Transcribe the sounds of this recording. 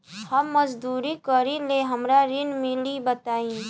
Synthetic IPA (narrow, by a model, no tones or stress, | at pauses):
hɐmːɐzd̪uːɾikəɾileɦɐmɾaɾɪnmɪlibɐt̪aːĩ